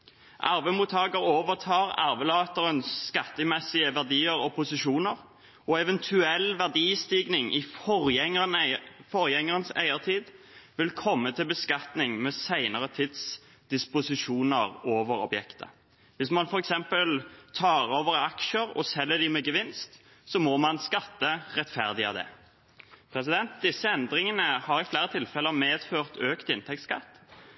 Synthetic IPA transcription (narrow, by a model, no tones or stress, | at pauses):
ʔɑɾʋəmuːt̪ʰːɑːɡəɾoːʋəʁt̪ʰɑːɾɑ̰ɾʋəlɑːt̪əɾənːkɑt̪ːəmɛsɪəʋæʁd̪iːəɾɔpʰʊsɪʃuːnəɾ | ɔɛʋɛnt̪ʰʉɛlʋæʁd̪iːst̪iːɡnɪŋʔɪfɔɾɛŋənfɔɾjɛŋəʁənsæ̰ɪəʁt̪ʰiːd̪ | ʋɪlkʰɔmːət̪ʰɪlbəskɑt̪nɪŋmɛːsæɪnəɾət̪ʰɪd̪s | d̪̥ɪspʊsɪʂuːnəʁoːʋəɾɔ̰bjɛkt̪ə̰ | ʋɪsmɑnfɔʁɛksɛmpəlt̪ʰɑːɾoːʋəʁɑkʃəɾɔ̰sɛlːəd̪ɪmɛɡəʋɪnst̪ | sɔmɔmɑnskɑt̪ːəʁɛt̪fæʁd̪ɪə̰d̪ɛ̰ | pʰɾɛsɪd̪ɛnt̪̚d̪ɪsːəɛnd̪ɾɪŋənəhɑɾɪflæːɾət̪ʰɪlfɛlːəmeːd̪̥føːʁt̪øːkt̪ɪnt̪ʰɛk̚t̪skɑ̰t̪ː